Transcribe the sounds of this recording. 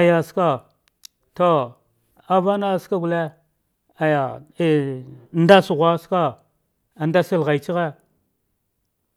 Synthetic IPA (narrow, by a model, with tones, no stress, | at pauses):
a˨ja˨ska˦ | to˦ | a˨va˦na˦˨ska˦ɡu˨le˦ | a˨ja˨˦˨ | nda˦su˨ɣʷa˦ska˦ | a˨nda˦si˦lɣa˨i˨t͡ʃi˦ɣe˦